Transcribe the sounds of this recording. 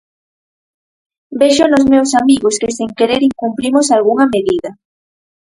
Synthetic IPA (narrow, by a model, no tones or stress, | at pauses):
beʃʊnozmewsamiɣoskesiŋkeɾeɾiŋkumplimosalɣuŋɐmeðiðɐ